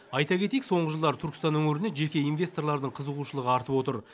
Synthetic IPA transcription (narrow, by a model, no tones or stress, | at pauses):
ɑjt̪ɑkʲe̞t̪ejɪkso̞ɴʁəʒəlˠd̪ɑɾt̪ʰʏɾkʲɪst̪ɑnɵŋɵɾɪneʒe̞kʲe̞ijnvʲe̞st̪o̞rlˠɑɾd̪əɴqʰəzəʁuʃəlˠəʁəɑɾt̪əpwo̞t̪əɾ